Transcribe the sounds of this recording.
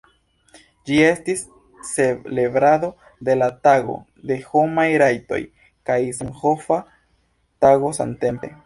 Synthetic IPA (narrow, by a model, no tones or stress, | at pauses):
d͡ʒie̞stisː | elebɾado̞ | de̞lataɡo̞̰ | de̞ho̞majɾajto̞̰j | kajsenho̞fa | taɡo̞sa̰nte̞mpe̞̰